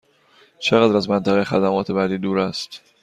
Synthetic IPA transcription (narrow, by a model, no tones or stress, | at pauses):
t͡ʃʰe̞ɣæːd̪ɾæzmænt̪ʰæɣejexæd̪æmɒːt̪ʰe̞bæːd̪iːd̪uːɾæst̪